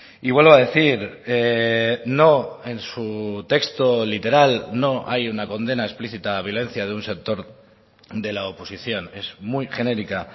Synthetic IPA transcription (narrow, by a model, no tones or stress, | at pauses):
iβwe̞lβaðe̞θiɾe | no̞e̞nsut̪e̞kst̪olit̪e̞ɾalno̞ʔa̰junako̞nd̪e̞naespliθit̪aːβ̞jo̞le̞n̟θjaðeunsek̚t̪o̞ɾ | d̪e̞laopo̞siθjo̞ne̞zmujxe̞ne̞ɾika